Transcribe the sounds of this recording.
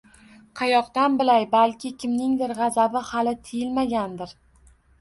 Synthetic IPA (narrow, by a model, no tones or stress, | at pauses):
qʰɑjɒqt̪anbɪlajbalkʲɪkʲʰɪmnɪŋd̪ɪɾʁɑzabɪhalɪt̪ʰɪjɪlmaɡʲand̪ɪɾ